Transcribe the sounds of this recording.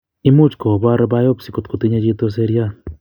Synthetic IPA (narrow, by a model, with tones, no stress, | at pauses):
i˦mu˦t͡ʃko˨βa˦ɾba˦jo˦psi˨ko˨t̪ko˨t̪i˦ɲe˦d͡ʒi˦t̪o˦s̬e˦ɾja˦